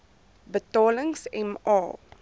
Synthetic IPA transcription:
bətɑːləŋsɛmɑː

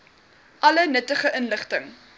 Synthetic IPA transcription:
ʔɐlənətəχəʔənləχtəŋ

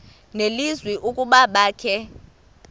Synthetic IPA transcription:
nelizwiʔukʼuɓaɓaːkʰɛ

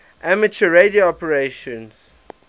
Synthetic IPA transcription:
ʔæmət͡ʃəɹedioɔpəɹeʃɔ̃ns

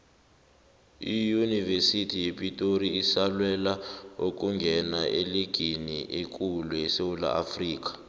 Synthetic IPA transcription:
ijunivesitʰijepʼitʼoriːsalwɛlaok̬ʼuŋɡʱɛnaʔeliɡ̥ʱiniʔek̬ʼuluɛsewula̰ʔafriːk̬ḁ

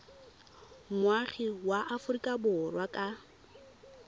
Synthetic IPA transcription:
mwaχiwaʔafʊrikʼabʊrwakʼa

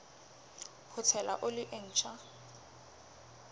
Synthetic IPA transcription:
hʰʊt͡sʰɛla̰ʔʊlɪʔen̩ːt͡ʃʰʼa

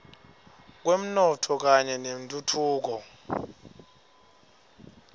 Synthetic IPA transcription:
k̬wem̩nɔtʰɔk̬aɲɛnem̩tʼutʰuːk̬ɔ

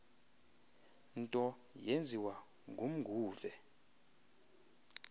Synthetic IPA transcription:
ntʼɔ | jend͡zʱiwa | ŋɡʱum̩ɡʱuːvɛ

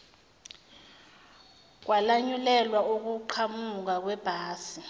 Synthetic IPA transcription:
k̬walaɲulɛlwauk̬uǃʰamuk̬ak̬wɛb̥ʱaːsi

